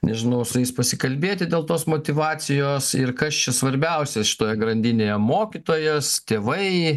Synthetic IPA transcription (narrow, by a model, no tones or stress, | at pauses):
nʲɛʒʲɪnɐʊsʊjɪspɐsʲɪkɐlʲbʲeːt̪ʲɪd̪ʲeːlˠt̪oːsmoːt̪ʲɪʋɑːt͡s̪ʲɪjoːsɪrkɐst͡ʃʲɛsʋɐɾʲbʲɛʊsʲɛʃʲɪ̥t̪oːjɛɡɾɐnʲd̪ʲɪnʲeːjɛmoːkʲit̪oːjɛst̪ʲeːʋɐɪ